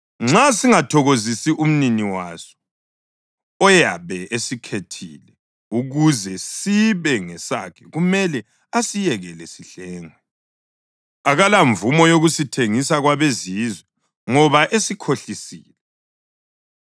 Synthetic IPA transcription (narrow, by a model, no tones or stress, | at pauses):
ŋ͡ǁasiŋatʰɔɣozisiʔum̩niniwa̰sɔ̥ | ɔja̰βɛesikʰetʰḭlɛ | uɣuzɛsiβɛŋɛsa̰kʰɛɣumɛlɛ | asijɛɣɛlɛsiɬɛːŋwɛ | aɣalaɱvumɔjoɣusitʰeŋisaɣwaβezizwɛ | ŋɔβaʔesikʰoɬisiːlɛ